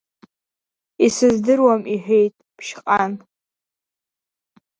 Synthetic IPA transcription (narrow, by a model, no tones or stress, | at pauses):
isɨzdɨrwamiħʷᶣejtʼpʰʃqʼan